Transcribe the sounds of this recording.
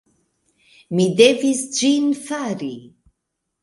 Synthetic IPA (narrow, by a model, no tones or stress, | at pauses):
mid̪evisd͡ʒinfaɾi